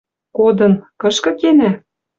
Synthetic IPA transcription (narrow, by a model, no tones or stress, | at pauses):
kod̪ɤ̆nkɤ̆ʃkɤ̆kenæ